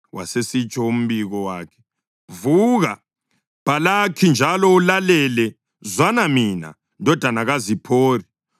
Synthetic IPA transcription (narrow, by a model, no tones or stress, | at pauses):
wʔa̰sesit͡ʃʼɔum̩βiɣɔwaːkʰɛ̥ | vuɣa | b̥alakʰind͡ʒʱalɔulalɛlɛ | zwanamina̰ | ndʱɔd̥ʱanaɣazipʰoːri